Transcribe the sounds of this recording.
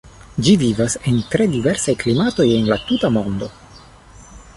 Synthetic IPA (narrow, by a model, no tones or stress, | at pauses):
d͡ʒivivasentɾe̞dive̞ɾsajklimato̞je̞nlatutamo̞ndo̞